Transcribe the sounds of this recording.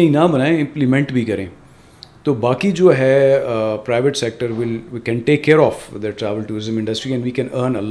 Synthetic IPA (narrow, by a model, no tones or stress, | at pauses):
ĩnabɐnaːẽɪ̃mplɪmɛ̃ɳʈbʱikɐɾḛ̃ː | t̪oːbaːkid͡ʒoːɦɛ | pɾaɪʋəʈsɛk̚ʈəɾʋɪlkɛ̃nʈeːkːeːɾɔːfd̪əʈɾɛːʋəlʈuːɾɪzə̃mɪ̃ɳɖəsʈɾiɛ̃ɳɖʋiːkɛ̃nəɾnɐlː